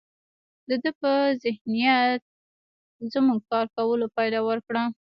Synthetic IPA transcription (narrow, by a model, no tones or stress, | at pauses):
d̪əd̪əpəzɪhnijat̪̚ | zəmuɡ̚kɑɾkawəlopɑjd̪ɑwəɾkɽa